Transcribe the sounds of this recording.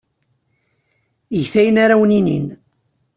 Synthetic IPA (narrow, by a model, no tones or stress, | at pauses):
əʝθæjənaɾawninḭn